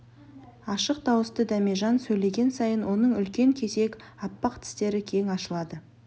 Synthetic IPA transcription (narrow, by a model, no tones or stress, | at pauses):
ɑʃəq̚d̪ɑwəst̪əd̪æme̞ʒɑnsɵjle̞ɡʲe̞nsɑjənwo̞nəɴʏlkʲe̞ŋkʲʰe̞se̞kʲɑpːɑqt̪ʰɪ̥st̪e̞ɾɪkʲʰe̞ŋɑʃəlˠɑd̪ə